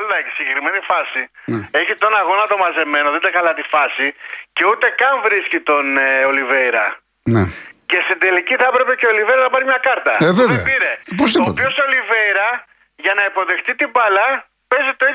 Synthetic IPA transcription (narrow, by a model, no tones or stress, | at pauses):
lðɐçi̥siɲɟekɾime̞nifɐsie̞çit̪o̞nɐɣo̞nɐt̪o̞mɐze̞me̞noðed̪ɐkɐlɐt̪ifɐsice̞ut̪e̞kɐɱvɾiscit̪o̞neoliveɾɐ | nece̞st̪ind̪e̞liciθɐpɾe̞pe̞ceo̞liveiɾɐznɐpɐɾimɲɐkɐɾt̪ɐeveveɐpiɾepozðioot̪piosoliveiɾɐ | ʝɐnɐipo̞ðe̞xt̪it̪ibɐlɐ | pe̞zit̪oi